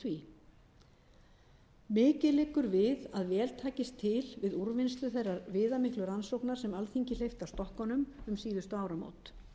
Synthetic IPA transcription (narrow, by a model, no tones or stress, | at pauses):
vi | mɪːcɪlɪːkʏɾvɪðaðvɛːlt̪ʰaːcɪst̪ʰɪlvɪðuɾvɪnst̪ʏθejrːaɾvɪːðamɪhklʏɾansowknaɾ̥sɛmalθiɲcɪlejft̪awst̪ɔhkɔnʏmʏmsiːðʏst̪ʏaːwɾamo̰ːwt̪